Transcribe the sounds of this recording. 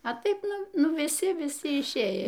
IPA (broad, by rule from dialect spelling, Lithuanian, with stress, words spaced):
ɐ ˈtɐɪp ˈnʊ ˈnʊ ʋʲɪˈsʲɪ ʋʲɪˈsʲɪ ɪʃʲˈeːj